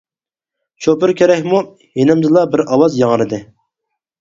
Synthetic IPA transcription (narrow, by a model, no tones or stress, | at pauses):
t͡ʃʰopɪɾkʲeɾɛkʲmu | jenɪmzɨlˠɑbɪɾɑwɑzjɑŋɾɨd̪ɪ